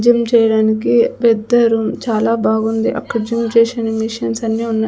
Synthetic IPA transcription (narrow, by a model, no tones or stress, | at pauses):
d͡ʒimt͡ʃɛːjɐɽaːnikipɛd̪ɐɾumt͡ʃaːlaːbʱaːɡund̪iʔɐ̰kːɐd͡ʒimt͡ʃɛːʃɐːnimiʃɐnsɐnːiːunːɐ